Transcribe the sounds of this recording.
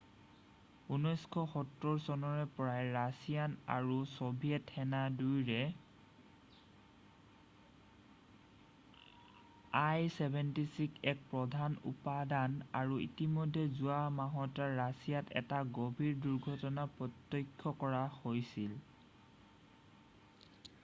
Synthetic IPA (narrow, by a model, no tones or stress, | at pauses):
unɔjskʰɔxɔtɹɔɹsɔnɔɹɛpɔɹajɹasijana̰ɹusobʱijɛtːɛnadujɹɛ | ajsɛbʱɛntisikɛk̚pɹɔdʱanṵpadanaɹuḭtimɔjdʱːɛzuamaɦɔtaɹasijatɛ̰taɡobʱiɹduɹɡʱɔtɔnapɹɔtːɔkʰːɔkɔɹahojsil